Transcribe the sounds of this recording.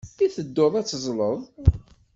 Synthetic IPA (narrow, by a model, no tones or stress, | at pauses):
θiθəd̪ːʊðˤæt͡sːzˤləðˤ